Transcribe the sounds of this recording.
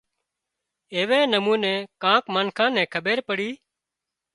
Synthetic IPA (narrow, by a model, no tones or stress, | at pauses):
eːʋɛ̃ːnəmũːnɛ̃ːkãːkmənkʰãːnɛ̃ːkʰəɓeːɾpəɽiː